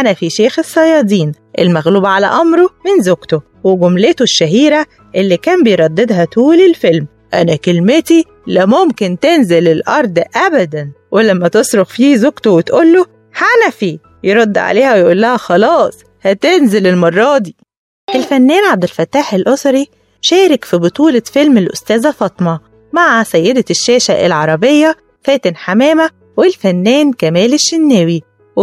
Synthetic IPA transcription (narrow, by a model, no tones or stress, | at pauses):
ʔænæfiʃeːxesˤːɑjɑːd̪iːn | ʔḛlmæɣluːbʕalæ̰ʔɑmɾomɪnzoɡt̪o | weɡomlet̪oʃːæɦiːɾæ | ʔelːikæːmbejɾˤɑd̪ːed̪hæt̪uːlelfelm | ʔænækelmet̪i | læmomkent̪enzelelʔɑɾˤd̪ʔæbæd̪ænwelæmːæt̪esˤɾoxfiːzokt̪owet̪ʔolːo | hanæfi | jeɾˤɑd̪ːʕa̰leːhæwejeʔuːlːæhæxɑlɑːsˤ | hæt̪enzelelmɑrˤːɑːd̪i | ʔelfænːæːnʕab̚d̪ɪlfæt̪ːaːħelʔosˤɑɾi | ʃæːɾɪkfibot̪ˤuːlɑfelmelʔo̰st̪æːzæfɑt̪ˤmɑ | maʕasæjːed̪æʃːæːʃæʔḛlʕɑɾˤɑbejːæ | fæːt̪ɪnħamæːmæ | welfænːæːnkæmæːleʃːenːæːwi | w